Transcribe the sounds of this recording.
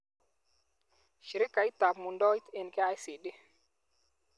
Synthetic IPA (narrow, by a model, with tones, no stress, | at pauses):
ʃi˨ɾi˦kːa˨i˦ta˨pmu˨ndɔ˦i˦t̪e˨nkɛ˦a˦jsi˨ɗi˦